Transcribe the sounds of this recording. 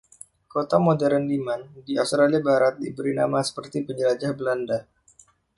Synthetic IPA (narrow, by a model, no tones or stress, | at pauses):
kot̪amodɛɾənlimandiafst̪ɾaliabaɾat̪̚dibəɾina̰masə̥pərt̪ipəɲd͡ʒəlad͡ʒahbəlanda